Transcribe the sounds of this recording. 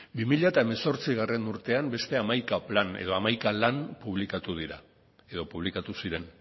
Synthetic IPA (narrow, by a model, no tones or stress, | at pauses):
bimiʎaet̪ae̞me̞so̞ɾt͡siɣ̞are̞nuɾt̪e̞ambe̞st̪e̞amajkaplane̞̰ð̞o̞amajkalanpuβlikat̪uð̞iɾa̰ | e̞ðo̞puβ̞likat̪usiɾe̞n